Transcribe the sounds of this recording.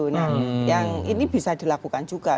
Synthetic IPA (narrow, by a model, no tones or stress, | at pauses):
unajaŋinib̥i̤sadi̤lakukand͡ʒuɡa